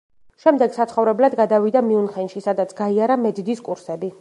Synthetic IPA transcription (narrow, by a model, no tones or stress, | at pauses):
ʃɛmd̪ɛɡ̥sat̪sχɔvɾɛblad̪ɡad̪avid̪amiunχɛnʃisad̪at̪sʰɡ̥aiaɾamɛd̪d̪iskʼuɾsɛbi